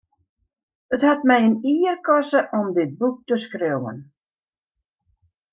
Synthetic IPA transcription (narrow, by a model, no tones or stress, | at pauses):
əthatmɛjəniːrkɔsəʔɔmdɪt̚buk̚təskrewə̰n